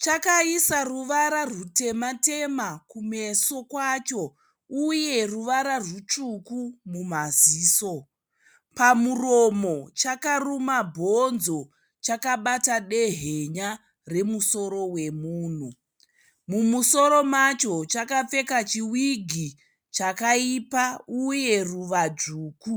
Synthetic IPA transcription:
t͡ʃakaisaruʋaɾarute̞mate̞makume̞so̞kwat͡ʃo̞ | uje̞ruʋaɾarwut͡ʃukumumaziːso̞ | pamuro̞mo̞t͡ʃakarumabʱo̞nzo̞ | t͡ʃakaɓataɗe̞ɦeɲa | re̞muso̞ɾo̞we̞muːn̤u | mumuso̞ɾo̞mat͡ʃo̞t͡ʃakap͡fe̞kat͡ʃiwiɡʱi | t͡ʃakaipauje̞ruʋad͡ʐuːku

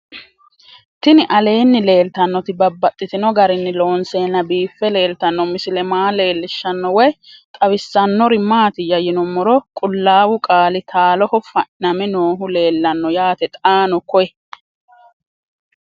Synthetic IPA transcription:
t̪ɪnɪʔɐle̞ːnːɪle̞ːlt̪ɐnːɔt̪ɪbɐbːɐt̪ʼːɪt̪ɪnɔɡɐɾɪnːɪlo̞ːnseːnːɐbiːfːɛle̞ːlt̪ɐnːɔmɪsɪlɛmaːle̞ːlːɪʃːɐnːɔwɔjt̪ʼɐwɪsːɐnːɔɾɪmaːt̪ɪjɐjɪnɔmːɔɾɔkʼʊlːaːwʊkʼaːlɪt̪ʰaːlɔhɔfɐnɐmɛnoːɦʊle̞ːlːɐnːɔjaːt̪ɛt̪ʼaːnɔkɔjɛ

